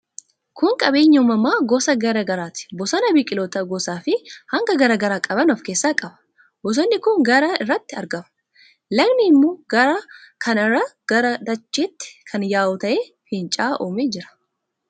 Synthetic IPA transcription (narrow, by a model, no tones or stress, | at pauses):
kʰʊŋkʼɐbe̞ːɲːɐmɐmːaːɡɔsɐɡɐɾɐɡɐɾaːt̪ɪ̥bɔsɐnɐbiːkʼɪloːt̪ɐɡɔsaːfɪhɐŋɡɐɡɐɾɐɡɐɾaːkʼɐbɐnɔfkeːsːaːkʼɐbɐ̥ | bɔs̬ɔnːɪkʊŋɡɐɾɐɪrːɐt̪ːɪɐɾɡɐmɐ̥ | lɐɡnɪɪmːoːɡɐɾɐkʰɐnɐrːɐɡ̥ɐɾɐd̪ɐt͡ʃʼːeːt̪ːɪ̥kʰɐnjaːʔʊt̪ɐʔeː | hɪnt͡ʃʼaːʔoːmeːd͡ʒɪɾɐ̥